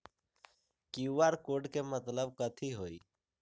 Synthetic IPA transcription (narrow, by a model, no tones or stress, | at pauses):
kiuʋaɾkoɖkemət̪ləb̚kət̪ʰiɦoːiː